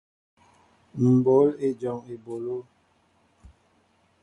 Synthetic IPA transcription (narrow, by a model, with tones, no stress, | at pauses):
m̩˨bo˨˦le˨d͡ʒɔ˨ŋe˨bo˨lo˦